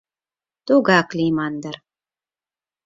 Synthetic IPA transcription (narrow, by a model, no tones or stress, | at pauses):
t̪uɡɑklʲimɑnd̪ɑɾ